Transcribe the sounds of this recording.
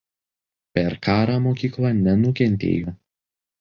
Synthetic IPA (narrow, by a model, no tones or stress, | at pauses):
pʲɛɾkʰɑːɾɑmoːkʲiːklˠɑːnʲɛnʊkʲɛnʲt̪ʲḛːjoː